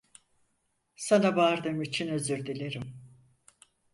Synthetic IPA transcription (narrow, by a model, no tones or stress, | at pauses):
sanabaːɾd̪ɯmit͡ʃʰinø̞zyɾd̪ilʲeɾim